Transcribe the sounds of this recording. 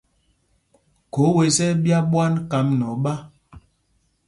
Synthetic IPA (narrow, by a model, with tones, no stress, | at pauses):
ko˨˦we˨sɛ˦bja˦ɓwa˦nka˨˦mnɔ˨ɓa˦